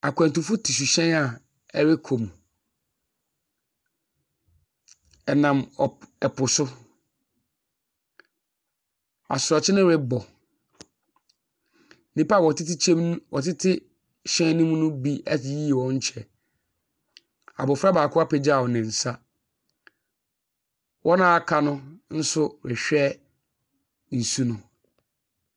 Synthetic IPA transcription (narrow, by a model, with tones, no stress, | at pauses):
a˨kʰʷɛ̃˨n˨tʊ˨fʊ˦tʰi˨s̬u˨ɕɛ̃˦na˨ | ɛ˦ɾɪ˦kʰõ˨m˨ | ɛ˨nã˨m˨ɛ˨pʰʊ˨sʊ˦ | a̰˨sʊ˨ɾɔ˨t͡ɕʰɪ˦nɪ̃˦ɾɪ˦bɔ˨ | nĩ˦pa˦˨wɔ˨tɪ˦tɪ˦ɛ˦mwɔ˨tʰɪ˦tʰɪ˦ | ɕɛ̃˦nĩ˦mũ˦nʊ̃˦bi˦ɛ˦˨˦ji˦˨wɔ̃˦ɲ̩˦t͡ɕʰɛ˨ | a̰˨bʊ˨fɾa˦baː˨kʰʊ˦a˦pʰɛ˨d͡ʑa˨wɔ˨nɪ̃˨n̩˨sa˦ | wʔɔ˦nã˦a˨kʰa˦nʊ̃˦n̩˦sʊ˦ɾɪ˨ɕᶣɛ˦ | n̩˨su˦nʊ̃˨